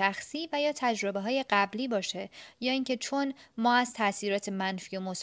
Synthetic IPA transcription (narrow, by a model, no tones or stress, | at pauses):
æxsiːvæjɒːt̪ʰæd͡ʒɾo̞beɦɒːje̞ɢæbliːbɒːʃe̞jɒːiːŋcʰe̞t͡ʃʰo̞nmɒːæzt̪ʰæsiːɾɒːt̪ʰe̞mænfiːo̞mos